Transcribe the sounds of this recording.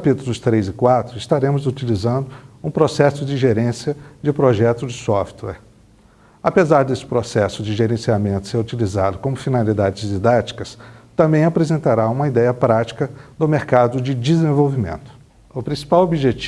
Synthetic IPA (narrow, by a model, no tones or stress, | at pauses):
apit̪ʊlʊst̪ɾejzɪkwat̪ɾʊist̪aɾẽmʊzut͡ʃilizɐ̃nd̪ʊũpɾosɛsʊd͡ʒɪʒeɾẽsiɐd͡ʒɪpɾoʒɛt̪ʊd͡ʒɪsɔft̪wɛ̰ɾ | apezaɾd̪esɪ̥pɾosɛsʊd͡ʒɪʒeɾẽsiamẽnt̪ʊ̥seɾut͡ʃilizad̪ʊkõmʊfinalid̪ad͡ʒɪzid̪at͡ʃi̥kɐst̪ɐ̃mbẽj̃apɾezẽnt̪aɾaũmɐid̪ɛjɐpɾat͡ʃi̥kɐd̪ʊmeɾkad̪ʊd͡ʒɪd͡ʒizẽvowvimḛ̃nt̪ʊ̥ | ʊpɾĩsi̥pawobiʒet͡ʃ